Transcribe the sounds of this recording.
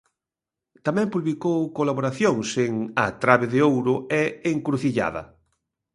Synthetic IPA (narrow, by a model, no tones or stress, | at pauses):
t̪amɛ̃mpuβlikowkolaβoɾaθjoŋseŋat̪ɾaβeðɪowɾʊɛeŋkɾuθiʎa̰ðɐ̰